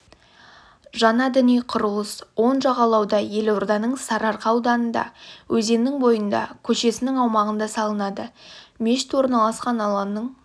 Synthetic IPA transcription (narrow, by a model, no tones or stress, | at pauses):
ʒɑnɑd̪ɪnijqʰʊɾəlˠəswo̞nʒɑʁɑlˠɑwd̪ɑje̞lwoɾd̪ɑnəɴsɑɾɑɾqɑwd̪ɑnənd̪ɑ̰wʔɵze̞nnɪŋbo̞jənd̪ɑ̰kʲʰɵʃe̞sɪnɪŋɑwmɑʁənd̪ɑsɑlˠənɑd̪əme̞ʃɪ̥t̪wo̞ɾnɑlˠɑsqɑnɑlˠɑmnːəɴ